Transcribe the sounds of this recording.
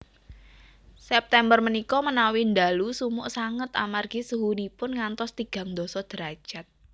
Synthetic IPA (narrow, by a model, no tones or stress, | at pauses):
sɛp̚t̪ɛmbərmənikɔmənawind̪alusumʊʔsaŋət̪a̰marɡ̥isəɦunipʊnŋant̪ɔst̪iɡ̥ä̤ŋd̪ɔ̤sɔd̪̥əɾḁʒ̥a̤t̪̚